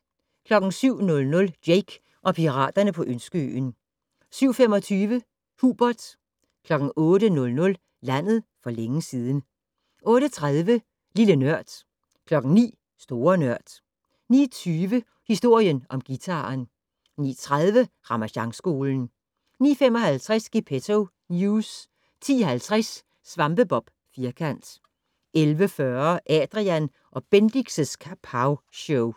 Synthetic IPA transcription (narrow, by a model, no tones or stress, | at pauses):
kʰlɒ̽ɡ̥n̩syʊ̰nɔ̽lnɔ̽ld̥jeɪɡ̥ | ʔɒ̽pʰiʁɑ̰̈ːd̥ɐnəpʰɒ̽ʔønsɡ̥əø̰ːn | syʊ̰fem̰ɒ̽t͡sʰyːʋə | huːb̥ɐd̥ | kʰlɒ̽ɡ̥n̩ɔ̽ːɾənɔ̽lnɔ̽l | læn̰ð̞̩ˠfɒ̽leŋəsiːð̞ˠn̩ | ʔɔ̽ːɾ̥ət͡sʰʁaðˠʋə | lilənɶɐ̰d̥ | kʰlɒ̽ɡ̥n̩nḭː | sd̥o̝ːɐnɶɐ̰d̥ | nḭːɐt͡sʰyːʋə | hisd̥o̝ɐ̰jənʔɒ̽mɡ̥it͡sʰɑ̈ːn | nḭːt͡sʰʁað̞ˠʋəʁɑ̈mæɕɑ̈ŋsɡ̥o̝ːln̩ | nḭːfem̰ɒ̽hælt͡sʰʁasɡ̥ipʰet͡sʰo | njus | t͡sʰḭːhælt͡sʰʁasː | ʋɑ̈mb̥əb̥ɒ̽b̥ | fiːɐkʰæn̰d̥ | elʋəfɶɐʔɛd̥ʁiæn | ʔɒ̽b̥end̥iɡ̥səskʰæpʰɑʊɕɔʊ